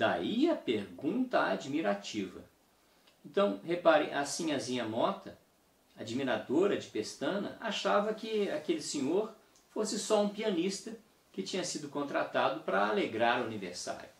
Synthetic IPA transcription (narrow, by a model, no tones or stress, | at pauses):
d̪̥a̰iɐpeɾɡũt̪ɐad͡ʒimiɾat͡ʃivɐ̰ | ẽnt̪ɐ̃w̃hepaɾɪ̰̃ʔasĩɲɐzĩɲɐmɔt̪ɐ | ad͡ʒimiɾad̪oɾɐd͡ʒɪpest̪ɐ̃nɐ̰ʔaʃavɐkɪakelɪsẽɲoɾ | fosɪsɔũpiɐnist̪ɐ | kɪt͡ʃĩɲɐsid̪ʊkõnt̪ɾat̪ad̪ʊpɾɐaleɡɾaɾʊɐnivḛɾsa̰ɾjʊ